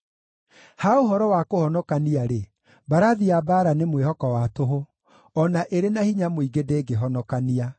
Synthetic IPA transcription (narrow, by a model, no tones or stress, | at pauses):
haoɦɔɾɔwakohɔnɔkaniaɾe | baɾaðiabaːɾanemwehɔkɔwatoɦo | ɔnaʔeɾenahiɲamoiɡedeːɡeɦɔnɔkania